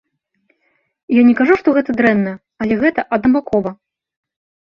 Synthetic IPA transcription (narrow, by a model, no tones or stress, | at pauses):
janʲɛkaʐuʂt̪ɔɣɛt̪ɐd̪ɾɛnːɐj | ɐlʲɛɣɛt̪ɐʔɐd̪nɐbakʰɔvɐ